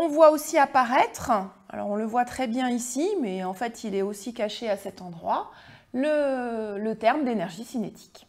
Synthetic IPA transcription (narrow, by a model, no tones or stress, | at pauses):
ɔ̃vwaosiapaʁɛt̪χa̰lɔ̰ʁɔ̃ləvwat̪χɛbjɛ̃isimɛɑ̃fɛt̪ʰilɛosikaʃeasɛt̪ɑ̃d̪ʁwa | lələt̪ɛʁmd̪enɛʁʒisinet̪ʰi̥k